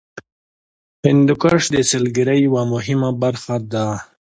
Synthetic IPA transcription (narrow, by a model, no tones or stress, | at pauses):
hɪnd̪ukaʂd̪eselɡiɾajwamʊɦɪmabaɾxad̪a